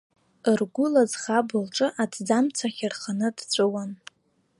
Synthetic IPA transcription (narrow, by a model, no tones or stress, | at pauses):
ɨrɡʷʊlazχabɨlʈ͡ʂʼɨʔatʰd͡zamt͡sʰaχʲarχanɨdt͡ɕʷʼɨwan